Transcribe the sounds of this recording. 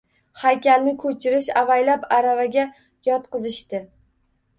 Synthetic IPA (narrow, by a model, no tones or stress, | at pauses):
hajkʲalnɪkʰɵt͡ʃʰɪɾɪʃavajlapaɾavaɡʲa | jɒt̪qɨzɪʃt̪ɪ